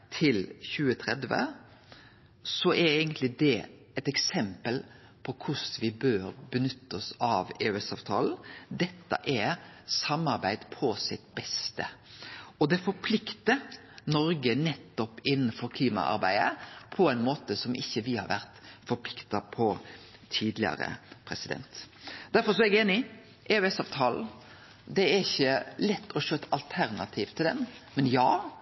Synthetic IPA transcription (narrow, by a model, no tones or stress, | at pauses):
t̪ʰɪlçʉːət̪ʰɾɛ̰d̪ʋə̰ | sɔʔɛɾeːɡənt̪lɪd̪ɛ | ɛt̪ɛksɛmpəl | pʰɔkʰʊsʋɪbøːɾbənʏt̪ːɔsɑʋɛʉɛsɑːʋt̪ʰɑ̰ːln̩d̪ɛt̪ːɑ̰ʔɛɾsɑmɑɾbæɪd̪pʰɔsɪt̪̚bɛst̪ə | ɔd̪ɛfɔɾpʰlɪkt̪ə | nɔɾɡənɛt̪ːɔpːɪnːn̩fɔɾkʰliːmɑ̰ʔɑ̰ɾbæ̰ɪd̪ə̰pʰɔæɪnmoːt̪əsɔmʔɪçːəʋɪhɑ̰ɾʋæɾt̪fɔɾpʰlɪkt̪ɑpʰɔt̪ʰiːd̪lɪɑ̰ɾə̰pʰɾɛsɪd̪ɛ̰nt̪d̪̥æɾfɔɾs̬ɔɛɡeːnɪ | ʔɛʉɛsɑːʋt̪ʰɑːl̩ | d̪ɛæɾɪçːəlɛt̪ʰːɔʃøːt̪ɑlt̪ʰæɾnɑt̪ʰiːʋt̪ʰːɪld̪ɛ̰nmɛnjɑː